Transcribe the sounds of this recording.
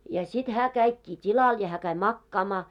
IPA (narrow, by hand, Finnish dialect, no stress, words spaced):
jɑ sit hæː kæikːiː tʲilɑl jɑ hæː kæi mɑkːɑːmɑː